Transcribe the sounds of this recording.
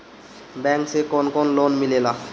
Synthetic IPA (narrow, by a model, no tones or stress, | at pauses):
bɛŋksekonkonlonmilela